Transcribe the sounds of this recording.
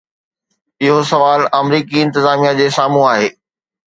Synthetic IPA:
ɪɦosɐʋaːlɐmɾiːkiɪ̃nt̪ɪzaːmijad͡ʑeːsaːmũaːɦeː

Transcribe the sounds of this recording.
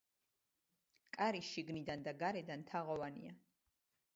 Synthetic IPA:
kʼaɾiʃiɡnid̪and̪aɡaɾɛd̪ant̪ʰaʁɔvanḭa

